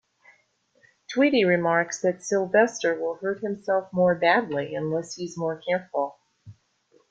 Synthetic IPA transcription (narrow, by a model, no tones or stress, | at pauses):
tʰw̥iɾiɹɨmɑɹksðɨtsɪlˠvɛstə˞wɪlˠhɜ˞t̚hɨ̃msɛlˠfmɔɹbædˡliɨ̃nlɛshiɨzmɔɹkʰɛɹfl̩ˠ